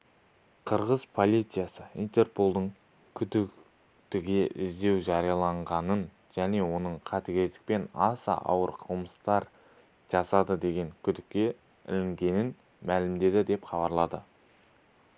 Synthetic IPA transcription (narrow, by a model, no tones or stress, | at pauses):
qʰəɾʁəzpʰo̞lʲˠijt̪sɨjasəḭjnt̪e̞rpo̞lˠd̪əɴ | kʲʰʏd̪ɪk | t̪ɪɡʲe̞ʔɪzd̪e̞wʒɑɾijɑlˠɑɴʁɑnən | ʒ̥æne̞wo̞nəɴqʰɑt̪ekʲe̞zd̪ɪ̥k̚pe̞nɑsɑ̰ʔɑ̰wəɾqʰəəməst̪ɑɾ | ʒ̥ɑsɑd̪əd̪e̞ɡʲe̞ŋkʲʰʏd̪ɪkʲːe̞ | ɪ̰lɪŋɡʲe̞nɪn | mælɪmd̪e̞d̪ɪd̪e̞pχɑbɑɾlˠɑd̪ə